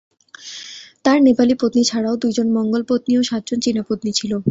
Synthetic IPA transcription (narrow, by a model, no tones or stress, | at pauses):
t̪aɾnepalipot̪nit͡ɕʰaɽaod̪ujd͡ʑonmɔŋɡolpot̪nioʃad̪d͡ʑont͡ɕinapot̪nit͡ɕʰilo